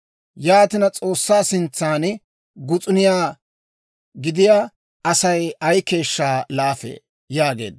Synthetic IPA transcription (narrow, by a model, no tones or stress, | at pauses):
jaːt̪ɪnɐt͡sʼo̞ːsːaːsɪnt͡sːaːn | ɡʊt͡sʼʊnɪjaː | ɡɪd̪ɪjaː | ʔɐsɐjɐjke̞ːʃːaːlaːfḛː | jaːɡe̞̰ːd̪